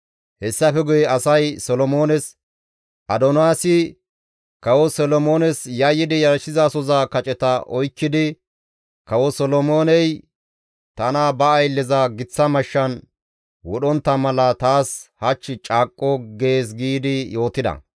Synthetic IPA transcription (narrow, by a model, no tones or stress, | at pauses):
hɛsːɐfɛɡʊjɛɐsɐjsɔlɔmo̞ːnɛs | ʔɐd̪ɔnaːsɪ | kɐwɔsɔlɔmo̞ːnɛsjɐjːɪd̪ɪjɐɾʃɪzɐsɔzakɐt͡ʃʼɛt̪ɐʔɔjkːɪd̪ɪ | kɐwɔsɔlɔmoːnɛj | t̪ɐnɐbɐːjlːɛzɐɡɪt͡sːɐmɐʃːɐn | wɔɗɔnt̪ːɐmɐlɐt̪aːshɐt͡ʃːɪt͡ʃʼaːkʼːɔɡe̞ːs̬ɡiːd̪ɪjo̞ːt̪ɪd̪ɐ̰